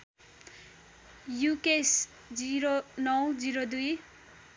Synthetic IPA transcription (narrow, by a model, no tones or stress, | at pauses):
jukes | d͡ziɾonʌwd͡ziɾod̪uj